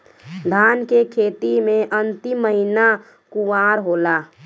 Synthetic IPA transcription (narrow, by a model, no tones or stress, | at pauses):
d̪ʱaːnkekʰeːt̪imẽʔənt̪ɪmːəɦina | kuʋaːɾɦoːlaː